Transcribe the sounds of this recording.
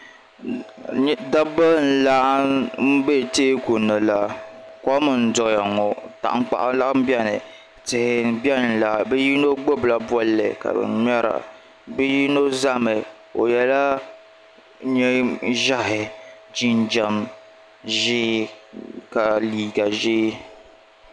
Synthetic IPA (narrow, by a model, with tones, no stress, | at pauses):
da˦ba˦n̩˦la˦m̩˦be˦˨teː˦ku˨nɨ˨la˨kɔ˦mɨ˨n̩˨dʊ˨a˨ŋɔ˨ta̰˨ʔŋ͡mk͡pa̰˨ʔla˦m̩˦bɛ˦nɨ˨ | tɨ˨hɪ˨bɛ˦n˨n̩˨la˨bɛ˦ji˦no˦ɡ͡bo˦bla˨bwɔ˦lːɨ̰˨ka̰˨bɨ̰˨m˦ɛ˦ɾa̰˨ | bɨ˦ji˦no˦za˦mɨ˨ | o̰˨jɛ˦la˦ | ɲɛ˦ʒa˦ɦɪ˨ | d͡ʒi˦n˦d͡ʒa˨m | ʒɪ˦ | ka˨liː˨ɡa˨ʒɪ˦